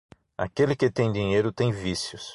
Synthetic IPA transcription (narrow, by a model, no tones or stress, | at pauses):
a̰kelɪkɪt̪ẽj̃d̪ĩɲejɾʊt̪ẽj̃visjʊs